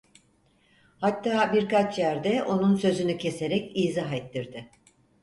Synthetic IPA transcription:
hat̪ːaːbiɾkat͡ʃjæɾd̪ɛo̞nunsø̞zynycʰe̞se̞ɾɛciːzaɦet̪ʰːiɾd̪ɪ

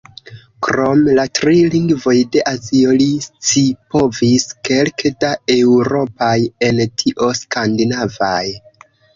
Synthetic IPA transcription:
kɾo̞mlatɾiliŋɡvo̞jde̞ʔazio̞list͡sipo̞viske̞lkdae̞wɾo̞paje̞ntʰiʔo̞skandinavaj

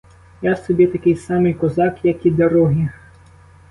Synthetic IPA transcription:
jasɔbʲit̪ɐkɪjsɑmɪjkɔzɑkjɐkʲid̪ɐɾɔɦʲi

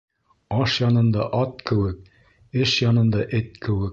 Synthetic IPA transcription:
ɑʃjɑnɤ̆nd̪ɑʔɒt̪̚kɘ̆wɘk̚ | ɘʃjɑnɤ̆nd̪ɑʔɘt̪̚kɘ̆wɘk̚

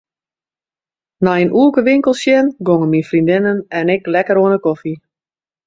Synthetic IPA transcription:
naənʔuəkəʋɪŋkəlˠsjɛnɡoŋəminfrindɪnənɛnɪklɛkəɾoənəkofi

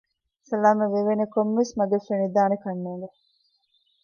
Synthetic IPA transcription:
sɐlaːmɐʋeʋenekomʋesmɐɡefenid̪aːnekɐnːeːŋɡe

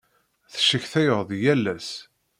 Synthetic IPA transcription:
θʃəçθæjəʁˤðjælːæs

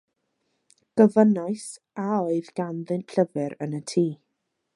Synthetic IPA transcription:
ɡ̥əvənaɨs | aoɨðɡanðɨntɬʰəvɛɾənətʰiː

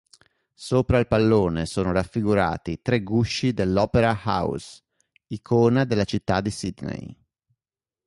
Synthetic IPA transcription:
soːpɾailpalːoːnesoːnoɾafːiɡuɾa̰ːt̪it̪ɾeɡuʃːid̪elːɔːpeɾaha̰ws | ikʰoːnad̪elːat͡ʃit̪ːad̪ːisid̪nḛj

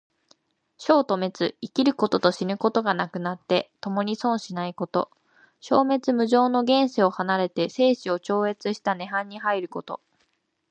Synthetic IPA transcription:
ɕo̞ːt̪o̞me̞t͡sɨikʲiɾɯ̟ko̞t̪o̞t̪o̞ɕinɯ̟ko̞t̪o̞ɡanakɯ̟nat̪ːe̞t̪o̞mo̞ɲ̟isõ̞ɰ̃ɕinaiko̞t̪o̞̰ | ɕo̞ːme̞t͡sɨmɯ̟ʑo̞ːno̞ɡẽ̞ɰ̃seo̞hanaɾe̞t̪e̞se̞ːɕio̞t͡ɕo̞ːe̞t͡sɨɕi̥t̪ane̞ɦãɲ̟ːihɦaiɾɯ̟ko̞t̪o̞̰

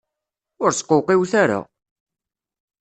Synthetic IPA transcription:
ʊɾsqːoqiwθaɾa̰

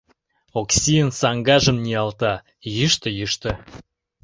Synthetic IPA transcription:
oksiənsɑŋɡɑʒə̆mnʲiɑlt̪ɑ | jyʃt̪ə̆jyʃt̪ə̆

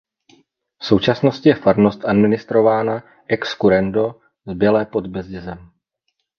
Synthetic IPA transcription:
fso̞wt͡ʃasno̞scɪjɛfaɾno̞st̪ʔadmɪnɪst̪ɾo̞vaːna | ʔɛkskuɾɛndo̞ | zbjɛlɛːpod̪bɛzɟɪzɛm

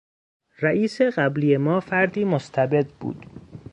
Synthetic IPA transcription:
ɾæʔiːse̞ɢæbliːjemɒːfæɾd̪iːmost̪ʰæbe̞d̪bṵːd̪̥

